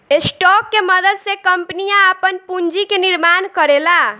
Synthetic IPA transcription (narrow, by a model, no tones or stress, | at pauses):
esʈɔkːeməd̪əd̪sekəmpnijaəpənpund͡ʒikeniɾmankəɾela